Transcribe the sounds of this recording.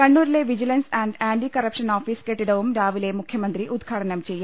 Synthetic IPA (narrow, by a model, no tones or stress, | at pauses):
kɐɳːuːɾileʋid͡ʑilɐnsaːɳɖaːɳɖikɐrɐpʂɐnaːfiːskeʈːiɽɐʋumɾaːʋile̞mukʰjɐmɐnd̪ɾiʔud̪ɡʰʱaːɽɐɳɐmt͡ɕe̞jːu